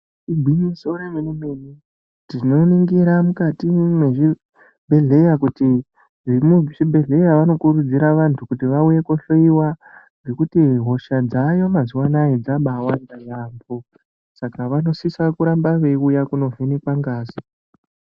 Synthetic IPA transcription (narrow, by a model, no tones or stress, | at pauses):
ibʱwiɲisoɾemenemeni | dino̞niŋɡiɾamukatimwe̞ʐi | bʱe̞ɮe̞jakuti | ʐimut͡ʃibʱe̞ɮe̞jaʋano̞kuɾud͡ziɾaʋantʰukutiʋauje̞koɬoiwa | ŋɡe̞kutiɦo̞ʃad͡zajo̞maziwanajed͡zaɓawandajaːmbo | sakaʋano̞sisakuɾambaʋe̞ujakuno̞ve̞nekwaŋɡaːzi